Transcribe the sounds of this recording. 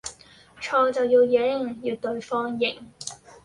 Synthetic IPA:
t͡ʃʰɔː˧t͡sɐ˨wjiː˧wje˨˥ŋjiː˨˧wt̪ɵ˧ɥfɔː˥ŋjɪ˨˩ŋ

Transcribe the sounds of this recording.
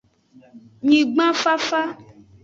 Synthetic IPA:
ɲĩ˨ɡ͡bã˦fa˦fa˦

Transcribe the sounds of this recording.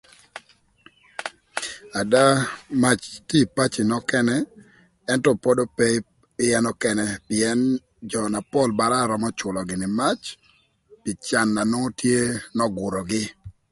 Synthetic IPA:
a˨da˦ma˦t͡ʃti˦˨pa˦t͡ʃɪ˨nɔ˦kɛ˦nɛ˦ | ɛ˦ntɔ˦pɔ˦do˦pɛ˦ | ɪ˦jɛ˦nɔ˦kɛ˨nɛ˦pɪ˨ɛ˦n | d͡ʒɔ˨na˨pɔ˦lba˨ɾa˦˨ɾɔ˨mɔ˦t͡ʃʊ˨lɔ˨ɡɪ˨nɪ˨ma˦t͡ʃ | pɪ˨t͡ʃa˨nːa˨no˦tje˦nɔ˦ɡʊ˨ɾɔ˨ɡɪ˦

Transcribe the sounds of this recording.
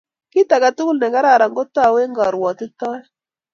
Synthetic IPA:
kɪ˦ta˨ka˨tu˦ku˦lnɛ˨ŋɡa˦ɾa˦˨ɾa˨ŋɡɔ˦ta˦˨we˦ŋɡa˨ɾwɔ˨tɪ˦tɔ˦ɛ˦

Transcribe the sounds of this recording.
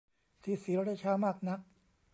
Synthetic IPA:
siː˨˦siː˨˦ɾɾa˦˥˩t͡ɕʰaː˧˥maː˥˩k̚na˦˥k̚

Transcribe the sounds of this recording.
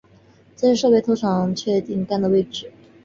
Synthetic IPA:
t͡sa˥˧ɪʂɤ˥˧pe˥˧ɪt̪ʰo˧˥ʊʈ͡ʂʰɑ˨˩ŋt͡ɕʰɥɛ˥˧t̪i˥˩ŋk̪a˥˩nd̪ə˩we˥˩ɪʈ͡ʂɻ̩˨˩

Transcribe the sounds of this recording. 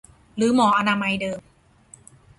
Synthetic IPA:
ɾɯː˩˦mɔː˩˦ʔa˧naː˧ma˧jdɤː˧m

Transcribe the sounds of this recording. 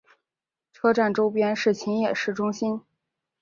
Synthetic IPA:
ʈ͡ʂʰɤ˥ʈ͡ʂa˥˩nʈ͡ʂo˥ʊpjɛ˥nʂɻ̩˥˩t͡ɕʰi˧˥njɛ˨˩ʂɻ̩˥˩ʈ͡ʂʊ˥ŋɕi˥n

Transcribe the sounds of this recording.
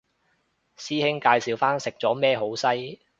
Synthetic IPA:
siː˥hɪ˥ŋkaː˧jsiː˨wfaː˥nsɪ˨k̚t͡sɔː˨˥mɛː˥ɦo˨˥wsɐ˥j

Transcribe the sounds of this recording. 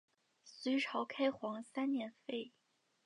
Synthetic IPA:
sy˧˥ɪʈ͡ʂʰɑ˧˥ʊkʰa˥ɪxwɑ˧˥ŋsa˥nnjɛ˧˥nfe˥˩ɪ

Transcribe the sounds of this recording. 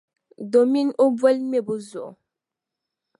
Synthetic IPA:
do˨mi˦no˦bə˦lme˦˨bu˦zɔ̰˨

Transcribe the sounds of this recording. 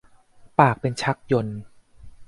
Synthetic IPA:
paː˨˩k̚pe˧nt͡ɕʰa˦˥k̚jo˧n

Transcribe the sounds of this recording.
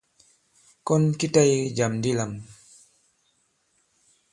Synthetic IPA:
kɔ˦nki˦ta˦jd͡ʒa˨mdi˦la˨m

